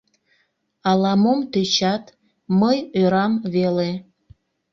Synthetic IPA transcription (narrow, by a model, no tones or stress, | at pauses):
ɑlɑmomt̪øt͡ɕɑt̪ | məjøɾɑmβele